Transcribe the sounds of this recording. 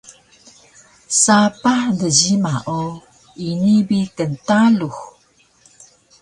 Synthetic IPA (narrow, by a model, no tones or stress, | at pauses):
sapahdəɟimaʔo | inibikəntalux